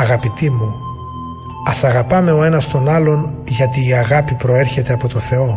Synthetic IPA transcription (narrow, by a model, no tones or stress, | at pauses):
ɐɣɐpit̪imu | ɐsɐɣɐpɐme̞o̞e̞nɐst̪o̞nɐlo̞nʝɐt̪iːɐɣɐpipɾo̞e̞ɾçe̞t̪e̞ɐpo̞t̪o̞θe̞o̞